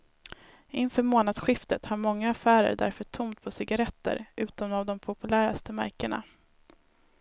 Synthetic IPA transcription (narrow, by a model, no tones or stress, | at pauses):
ɪnfœːɾmoːnad̪sɧɪft̪ət̪haɾmɔŋːaːfæːɾə̰ɖæ̰ɾfœʈʰʊmt̪̚pʰɔsɪɡaɾɛt̪ːə̰ɾʔʉ̟ːt̪ɔmavd̪ɔmpʰʊpɵlæːɾa̰st̪əmæɾkəɳa̰